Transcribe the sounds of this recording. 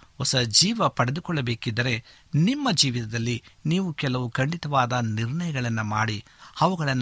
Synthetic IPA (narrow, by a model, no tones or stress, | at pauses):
ɔsɐd͡ʒiːʋɐpɐɽed̪ukɔɭːɐbe̞ːkid̪ːɐɾe̞ | nimːɐd͡ʒiːʋit̪ɐd̪ɐlːiniːʋukɛlɐʋukɐɳɖit̪ɐʋaːd̪ɐniɾɳɐjɐɡɐɭɐnːɐmaːɽi | ɐʋɐɡɐɭɐnː